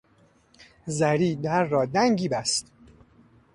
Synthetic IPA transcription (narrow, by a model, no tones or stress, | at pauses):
zæɾiːd̪æɾːɒːd̪æŋɟiːbæst̪